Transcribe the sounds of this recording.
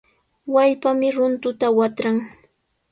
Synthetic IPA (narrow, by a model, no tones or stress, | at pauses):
waʎpamɪɾʊnt̪ʊt̪awat̪ɾaŋ